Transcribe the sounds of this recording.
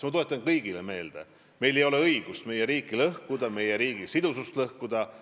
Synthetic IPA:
mɑt̪oet̪ˑːɑnkɤjɡ̥ileme̞ːld̪̥ḛ | me̞jle̞jo̞le̞ɤjɡ̥ust̪me̞jeɾiːkːˑilɤhkud̪ɑme̞jeɾiːɡ̥isid̪̥usust̪lɤhkud̪̥ɑ

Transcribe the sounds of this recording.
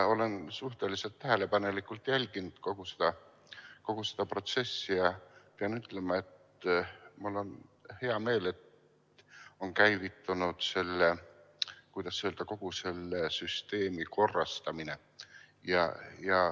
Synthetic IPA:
o̞le̞nsuht̪e̞lise̞lt̪ːæɦe̞le̞pɑne̞likːˑult̪jælʲɡ̥inud̪̥ko̞ɡ̥use̥d̪̥ɑ | ko̞ɡ̥use̥d̪̥ɑpro̞t̪se̞sːijɑpeɑnyt̪ːˑle̞mɑe̞t̪ | mulːo̞nhe̞ɑme̞ːle̞t̪ | o̞nkæjvit̪ːˑunud̪̥se̞lːe | kujd̪̥ɑsːeøld̪̥ɑko̞ɡ̥use̞lːesyst̪e̞ːmikʰo̞rːɑst̪ɑmine̞ | jɑ̰jɑ

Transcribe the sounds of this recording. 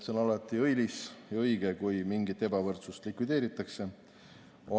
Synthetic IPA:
seo̞nɑlɑt̪ːˑiɤjlisjɑɤjɡ̥ekujmiŋɡit̪ːˑe̞bɑvɤrt̪sust̪likvid̪̥eːɾit̪ːˑɑkse̞ | o

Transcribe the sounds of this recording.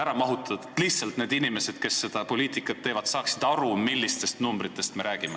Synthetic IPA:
æɾɑmɑɦut̪ːˑɑt̪t̪liçtsɑlt̪ne̞ːd̪inime̞se̞d̪̥ke̞sːe̞d̪̥ɑpo̞lʲiːt̪ˑikːˑɑt̪ːe̞ːvɑt̪sɑːksid̪̥ɑɾumilːist̪e̞st̪numbɾit̪ːˑe̞st̪me̞ɾæːɡ̥ime̞

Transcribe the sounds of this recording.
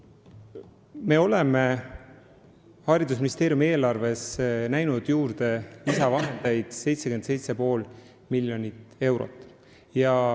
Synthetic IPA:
me̞ːo̞le̞me̞ | hɑːɾid̪us̬minist̪e̞ːɾjumie̞ːlɑrve̞snæjnud̪̥juːɾd̪̥e̞lisɑvɑɦend̪̥ejd̪̥se̞jt̪sekyensejt̪se̞po̞ːl | miljo̞nit̪e̞wɾo̰t̪ːˑ | jɑ

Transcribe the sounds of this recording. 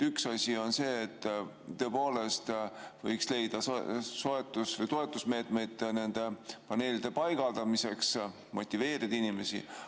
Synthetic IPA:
yksɑsʲio̞nse̞ːt̪ː | t̪ːø̞po̞ːle̞st̪vɤ̰jksle̞jd̪̥ɑsso̞e̞t̪ːˑusvɤjt̪o̞e̞t̪ːˑusme̞ːt̪me̞jd̪̥ne̞nd̪̥e̞pɑne̞ːlid̪̥e̞pɑjɡ̥ɑld̪̥ɑmise̞ks | mo̞t̪ʲːˑive̞ːɾid̪̥inime̞sḭ

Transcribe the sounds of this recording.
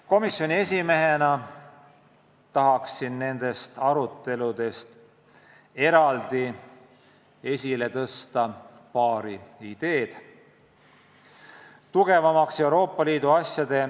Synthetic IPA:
ko̞misjo̞nʲie̞sʲime̞ɦenɑ | t̪ɑɦɑksinne̞nd̪̥e̞st̪ɑɾut̪ːˑe̞lud̪̥e̞st̪ | e̞ɾɑld̪̥i | e̞sʲile̞t̪ɤst̪ɑ | pɑːɾiid̪̥e̞ːd̪̥ | t̪uɡ̥e̞vɑmɑksewɾo̞ːpːˑɑliːd̪uɑsjɑd̪̥e̞

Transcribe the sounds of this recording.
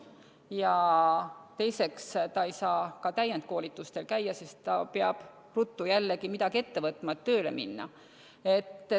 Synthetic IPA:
jɑ | t̪e̞jse̞kst̪ɑejsɑːkɑt̪æjːent̪̚ko̞ːlit̪ːˑust̪e̞lkæjːɑsist̪ɑpeɑb̥ | rut̪ːujælːeɡimid̪̥ɑɡ̥ie̞t̪ːe̞vɤt̪ˑmɑet̪ːø̞ːlḛmḭnːɑ̰ | e̞t̪ː

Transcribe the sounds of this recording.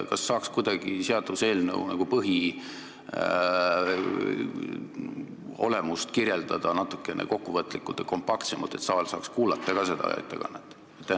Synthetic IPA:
kɑsːɑːkskud̪̥ɑɡ̥iseɑd̪use̞ːlnə̰wnɑɡ̥upɤɦi | o̞̰le̞must̪kirje̞ld̪̥ɑd̪̥ɑnɑt̪ːˑu̥kːˑenʔḛko̞kːuvɤt̪ːˑlikːult̪ːˑeko̞mpɑkt̪semɑ̰lt̪e̞t̪sɑːlsɑːkskuːlɑt̪ˑːɑɡ̥ɑse̞d̪̥ɑ̰jɑ̰t̪ːˑḛɡ̥ɑ̰net̪ːˑ | et̪ːˑ

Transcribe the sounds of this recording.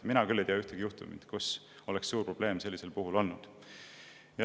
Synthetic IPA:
minɑkylːejt̪eɑyht̪eɡijuht̪ṵmḭt̪kus | o̞leksːuːrpro̞b̥le̞ːmse̞lːise̞lpuɦulo̞lnud̪̥ | jɑ

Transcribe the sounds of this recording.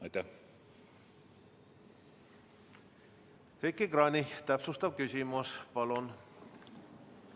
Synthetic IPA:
ɑjt̪æ | hekːiɡɾɑnʲit̪æpsust̪ɑb̥̚kysʲimuspɑlun

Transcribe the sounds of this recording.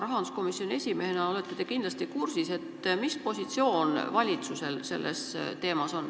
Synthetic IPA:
ɾɑɦɑnd̪usko̞misjo̞nʲie̞sʲime̞henɑo̞le̞t̪ːˑed̪e̞kind̪lɑst̪ikursise̞t̪ːmispo̞sʲit̪sio̞ːnvɑlʲit̪suse̞lse̞lːʔe̞st̪e̞ːmɑso̞n

